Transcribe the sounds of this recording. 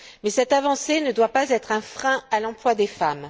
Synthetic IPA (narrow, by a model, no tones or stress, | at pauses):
mɛsɛt̪avɑ̃senəd̪wapazɛt̪χɛ̃fχɛ̃alɑ̃plwad̪efam